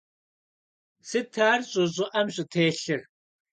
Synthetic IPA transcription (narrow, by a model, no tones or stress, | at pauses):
sɨtʰaːrɕʼʊʑʼɪʔɐmɕʼɪtʰeːɬɨr